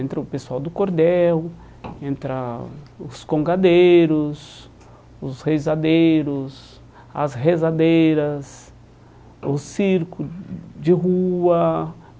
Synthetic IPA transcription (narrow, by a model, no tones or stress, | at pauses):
ẽnt̪ɾɐʊpeswawd̪ʊkoɾd̪ɛw | ẽnt̪ɾɐʊskõŋɡad̪ejɾʊs | ʊshejzad̪ejɾʊs | ɐ̰sɦezad̪ejɾɐs | ʊsiɾkʊd͡ʒɪɦuɐ